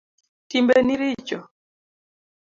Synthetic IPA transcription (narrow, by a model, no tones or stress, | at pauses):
timbɛniɾit͡ʃɔ